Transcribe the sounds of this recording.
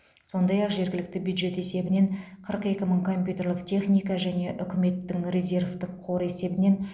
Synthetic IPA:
so̞nd̪ɑjɑqʒe̞ɾɡʲɪlɪkt̪ɪbjud̪ʒe̞t̪e̞se̞bɪne̞ɴ | qʰəɾəqe̞kʲɪməɴkʰo̞mʲpʲjut̪ʲe̞rlˠəqt̪ʰʲe̞χnijkɑʒæne̞ʔʏkʲɪme̞t̪ːɪŋrʲe̞zʲe̞rvt̪ɪqʰːo̞ɾe̞se̞bɪne̞n

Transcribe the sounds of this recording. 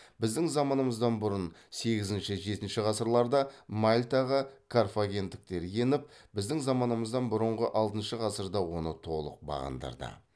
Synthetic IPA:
bɪzd̪ɪŋzɑmɑnəməzd̪ɑnbʊɾənse̞ɡʲɪzɪnʃɪʒe̞t̪ɪnʃɪʁɑsəɾlˠɑɾd̪ɑmɑlʲt̪ɑʁəkʰorfoɡʲe̞nt̪ːɪk̚t̪e̞ɾje̞nɪp̚bɪzd̪ɪŋzɑmɑnəməzd̪ɑnbʊɾəɴʁəʔɑlˠt̪ənʃəʁɑsəɾd̪ɑwo̞nət̪ʰo̞lˠə̰q̚bɑ̰ʁə̰nd̪ɑ̰ɾd̪ə̰

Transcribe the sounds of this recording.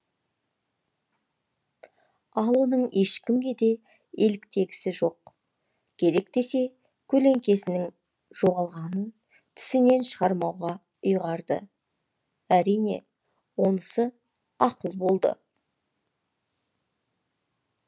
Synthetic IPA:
ɑlˠwonəɴe̞ʃkʲɪmɡʲe̞d̪e̞ | elɪkt̪e̞ɡʲɪ̥sɪʒo̞q | kʲʰe̞ɾe̞k̚t̪e̞se̞ | kʲʰɵleŋkʲe̞sɪnɪŋ | ʒo̞ʁɑlˠʁɑnən | t̪ʰɪ̥sɪne̞nʃəʁɑɾmɑwʁɑ | ʊjʁɑɾd̪ə̰ | æɾijne̞̰ | wo̞nəsə | ɑqəlˠbo̞lˠd̪ə̰

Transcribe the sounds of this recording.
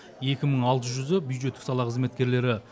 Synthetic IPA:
je̞kʲɪməɴɑlˠt̪əʒʏzəbjujd̪ʒet̪ːɪ̥ksɑlˠɑqʰəzme̞t̪kʲe̞ɾle̞ɾɪ

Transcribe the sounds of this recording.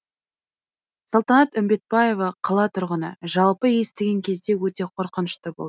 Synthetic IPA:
solˠt̪ɑnɑt̪ʏmbe̞t̪̚bɑje̞vɑqʰɑlˠɑt̪ʰʊɾʁənə̰ʒɑlˠpəje̞st̪ɪɡʲe̞ŋkʲʰe̞zd̪e̞wɵt̪e̞qʰo̞ɾqənəʃt̪əbo̰d̪ə

